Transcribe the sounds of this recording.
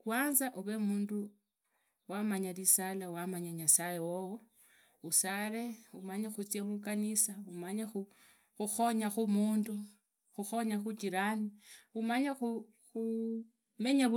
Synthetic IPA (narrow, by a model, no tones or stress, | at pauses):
kwaːnzaʔuβemuːndu | wamaɲalisalawamaɲaɲasajewowo | usaɾeumaɲaxut͡sjaβukanisaumaɲaxu | xuxo̞ɲaxumuːndu | xuxo̞ɲaxut͡ʃiɾaniumaɲaxu | xu | me̞ɲa